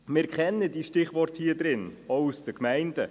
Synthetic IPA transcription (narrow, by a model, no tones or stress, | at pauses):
mɪɾkʰχɛnːədiʃtɪχʋɔɾthiəd̪ɾɪnɔwusd̥əkmæɪndə